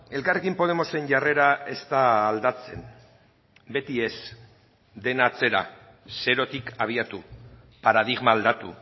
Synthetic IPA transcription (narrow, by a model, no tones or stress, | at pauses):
e̞lkare̞kimpo̞ð̞e̞mo̞se̞ɲʝare̞ɾae̞st̪aːld̪at͡se̞n | be̞t̪ie̞s | d̪e̞nat͡se̞ɾa̰ | se̞ɾo̞t̪ikaβ̞iat̪u | paɾaðiɣmaːld̪at̪ṵ